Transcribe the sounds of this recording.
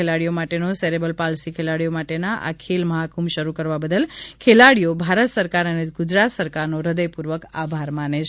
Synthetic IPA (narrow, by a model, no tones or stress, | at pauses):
elaɽijomaʈenoseɾebəlpalsikʰelaɽijomaʈenaʔa̰kʰelməɦakumʃəɾukəɾʋabəd̪əlkʰelaɽijobʱaɾət̪səɾkaɾəneɡʊd͡ʒɾat̪səɾkaɾnoɾəd̪əjpuɾʋəkabʱaɾmanet͡ʃʰ